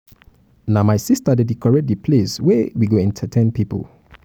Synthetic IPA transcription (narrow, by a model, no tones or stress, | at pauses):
namajsistədədikʰɔɹɛd̚ipʰleswɛwiɡoɛ̃ntʰətʰɛ̃npipə̰l